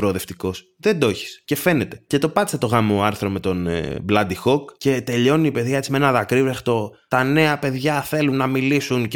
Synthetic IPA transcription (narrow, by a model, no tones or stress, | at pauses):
pɾo̞ðe̞ft̪iko̞s | ðe̞d̪o̞çi̥sce̞fe̞ne̞t̪e̞̥ce̞t̪o̞pɐt̪iset̪o̞ɣɐmoɐɾθɾo̞me̞t̪o̞n̰blɐd̪ixo̞kce̞t̪e̞ʎo̞niːpe̞ðʝɐet̪isimeenɐðɐkɾivɾext̪o̞t̪ɐne̞ɐpe̞ðʝɐθe̞lunːɐmilisun